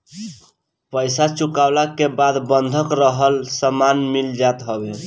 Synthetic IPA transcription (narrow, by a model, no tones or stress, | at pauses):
pəjsat͡ʃukawlakebad̪bənd̪ʱəkɾəɦəlsəmanmild͡ʒat̪ɦɔbe